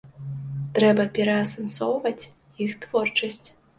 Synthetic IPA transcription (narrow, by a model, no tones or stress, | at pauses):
t̪ɾɛbɐpʲɛɾɐːsɐnsɔwvɐt͡sʲ | jixt̪vɔrt͡ʂɐsʲt͡sʲ